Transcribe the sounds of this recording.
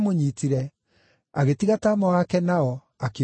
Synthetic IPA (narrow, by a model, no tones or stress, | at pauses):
moɲitiɾɛ | aɣetiɣataːmɔwakɛnaɔ | ake